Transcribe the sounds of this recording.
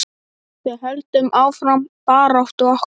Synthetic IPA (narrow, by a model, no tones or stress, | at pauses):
sjɛðɦœlt̪ʏmʔaːwfɾampaːɾɔft̪ʏɔh